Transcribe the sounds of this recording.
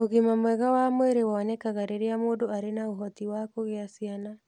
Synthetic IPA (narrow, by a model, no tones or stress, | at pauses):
oɣimamwɛɣawamweɾewanɛkaɣaɾeɾeamoːdoaɾenaoɦɔtiwakoɣeasiana